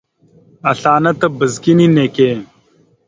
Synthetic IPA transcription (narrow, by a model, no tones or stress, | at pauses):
ɐɬaːnɐt̪ɐbɐzkinineːkeː